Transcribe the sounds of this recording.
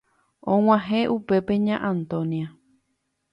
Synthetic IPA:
õw̃ãɦẽʔupe̞pe̞ɲã̰ʔãnt̪õnia

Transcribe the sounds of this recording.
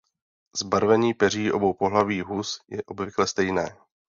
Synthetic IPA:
zbaɾvɛɲiːpɛr̝iːʔo̞̰bo̞wpoɦlaviːɦusjɛʔo̞bvɪklɛst̪ɛjnɛː

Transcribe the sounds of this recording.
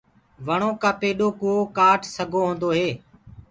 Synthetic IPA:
ʋəɳ̃oːkãːpeːɗoːkuːoːkaːʈʰsəɡʱoːɦõːnd̪oːɦeː

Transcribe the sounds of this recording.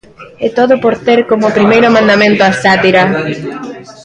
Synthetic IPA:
ɛt̪oðopoɾt̪eɾkomopɾimejɾʊmãnd̪amẽnt̪oasat̪iɾa

